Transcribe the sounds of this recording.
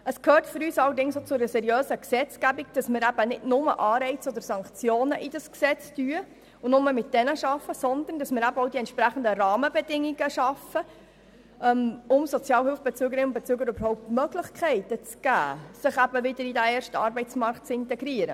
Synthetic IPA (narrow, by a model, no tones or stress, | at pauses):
əskhøːtfyɾyːsɑlːəɾdɪŋsot͡sʊɛɾəsɛɾijøːsəksɛt͡skæbiɡ̚d̥ɑsmɪːɾæb̥ənɪdnʊmə̰ʔɑːɾɛɪt͡sɔd̪əɾsɑŋkt͡sjoːnəʔɪd̥ɑsksɛt͡styə | ʊnʊməmɪt̚d̥ɛnəʃɑfːəsɔnd̪ənd̥ɑsmɪːɾæbəɔwdiɛntʃpɾæχən̩d̪ərɑːməbɛdɪŋːiɡəʃɑfə | ɛmʊmsɔt͡sjɑːlhʏlfb̥ɛt͡søːɡəɾɪnʊn̚bɛt͡søːɡəɾøbəɾhɔʊp̚tmœɡlɪχkʰɛɪt̪ət͡sɡ̥æ̰ːsɪχæbəʋɪd̥əɾidæɛːɾʃtɑːɾbɛɪtt͡smɑɾkt̚t͡sɪntɛɡɾiːəɾə̰